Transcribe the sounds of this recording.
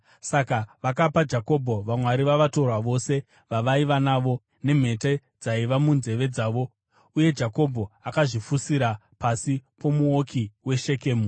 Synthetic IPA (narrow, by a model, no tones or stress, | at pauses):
sakaʋakapad͡ʒako̞bʱo̞ʋamwaɾiʋaʋato̞rwaʋo̞se̞ | ʋaʋaiʋanaːʋo̞ | ne̞m̤e̞te | d͡zaiʋamunze̞ʋe̞d͡zaːʋo̞ | uje̞d͡ʒako̞bʱo̞akaʐifusiɾa | pasipo̞muokʰiwe̞ʃe̞ke̞ːmu